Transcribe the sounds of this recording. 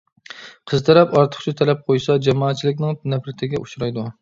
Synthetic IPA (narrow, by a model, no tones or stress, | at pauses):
qʰəzt̪ʰɛɾɛpɑɾt̪ʰə̥χt͡ʃʰit̪ʰɛlɛp̚qʰojsɑd͡ʒɑmɑːt̪̚t͡ʃʰilɪkʲnɪŋnɛpɾɪt̪ʰɪɡʲɛʔuʃɾɑjd̪u